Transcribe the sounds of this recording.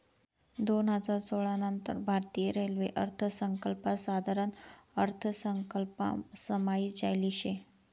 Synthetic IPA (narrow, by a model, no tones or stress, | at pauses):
d̪onad͡zat͡soɭanənt̪ə̰ɾbʱaɾt̪ieɾelʋeʔəɾt̪ʰəsəŋkəlpasad̪ʱaɾənəɾt̪ʰəsəŋkəlpa̰səmaid͡ʑajliɕe